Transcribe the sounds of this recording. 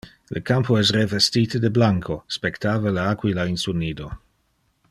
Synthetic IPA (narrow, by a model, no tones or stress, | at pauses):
lʔəkampʰoɛs̬revestiːt̪əd̪eblaŋkʰospekt̪aːvalaakwilainsunːiːd̪o